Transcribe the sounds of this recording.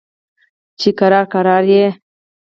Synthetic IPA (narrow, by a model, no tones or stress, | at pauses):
t͡ʃikaɾɑɾkaɾɑɾje